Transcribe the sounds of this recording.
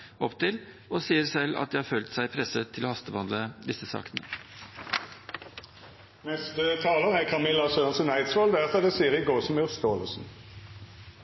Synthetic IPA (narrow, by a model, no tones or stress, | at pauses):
ɔpt̪ɪl | ɔsiːəɾsɛlːɑ̰t̪̚d̪ɛɪhɑːføːlt̪sæɪpʰɾɛsət̪ʰːɪlɔhɑst̪əʋɑnd̪ləd̪ɪsəsɑ̰ːk̪ənə̰ | nɛst̪ət̪ʰɑːləʁəækʰɑmɪlːɑsøːnsənæɪt̪sʁoːld̪æʁfɔd̪ɛsiːəʁɪɡoːsmʉʁst̪oːləsn̩